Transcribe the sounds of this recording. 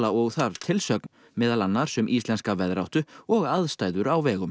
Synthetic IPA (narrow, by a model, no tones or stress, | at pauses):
laɔɣθaɾ̥t̪ʰɪlsœkn | mɪːðalanːaɾ̥sɛmʔist̪lɛnskavɛðɾawht̪ʏɔɣaðst̪aːjðʏɾawvɛːɣʏm